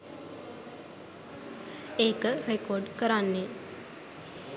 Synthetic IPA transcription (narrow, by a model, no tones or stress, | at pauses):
eːkərekoɖkəɾanːe